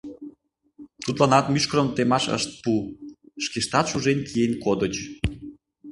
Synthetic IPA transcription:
t̪ut̪lɑnɑt̪myʃkəɾəmt̪emɑʃə̰ʃt̪̚puʃkeʃt̪ɑt̪ʃuʒenkʰijenkod̪ət͡ɕ

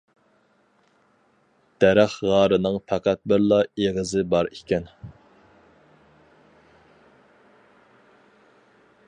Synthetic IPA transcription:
d̪̥ɛɾæχʁɑɾɨnɨŋpʰæqʰæt̪̚bɪɾlˠɑeʁəzɪbɑɾikʲɛn

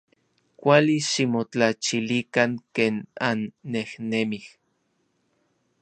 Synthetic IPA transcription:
kʷaliʃimot͡ɬat͡ʃilikaŋkeːnanːehnemih

